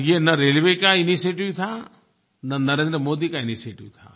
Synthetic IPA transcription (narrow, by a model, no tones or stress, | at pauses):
ɡienɐɾeːlʋekainiseːʈiʋt̪ʰa | nɐnɐɾeːnd̪ɾəmoːd̪ikainiseːʈiʋt̪ʰa̰